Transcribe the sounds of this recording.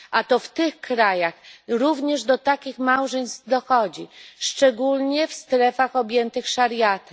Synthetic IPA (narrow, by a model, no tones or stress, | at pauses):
ʔat̪ɔft̪ɘxkɾajaxɾuvɲɛʐd̪ɔt̪akʲixmawʐɛɲst̪d̪ɔxɔd͡ʑiʂt͡ʂɛɡulɲɛfst̪ɾɛfaxɔbʲjɛnt̪ɘxʂaɾjat̪ɛ